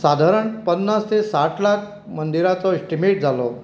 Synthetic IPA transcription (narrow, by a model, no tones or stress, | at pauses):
sad̪ʱaɾəɳpənːast̪esaʈʰlak | mənd̪iɾat͡sɔisʈimeʈ̚d͡zʱalɔ